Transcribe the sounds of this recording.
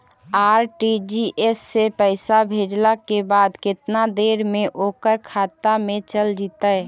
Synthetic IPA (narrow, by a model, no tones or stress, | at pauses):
aːɾʈid͡ʒiʔeːsːepəɪsabʱeːd͡ʒlakebaːd̪kɪt̪nad̪eːɾmẽʔoːkəɾkʰaːt̪amẽt͡ʃəld͡ʒiːt̪aɛ